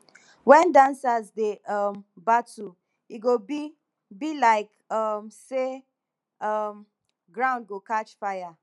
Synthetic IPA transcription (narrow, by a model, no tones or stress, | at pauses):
wɛ̃ndãnsazdeʌmbatu | iɡobi | bilaɪk | ʌmse | ʌm | ɡɹãʊ̃nd̚ɡokat͡ʃfaɪja